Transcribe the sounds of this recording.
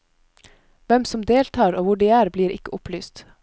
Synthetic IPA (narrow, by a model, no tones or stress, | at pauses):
ʋɛmsɔmd̪eːlt̪ʰɑːɾoːʋʊɖiːæːɾbliːɾɪkəʔʊplyːst̪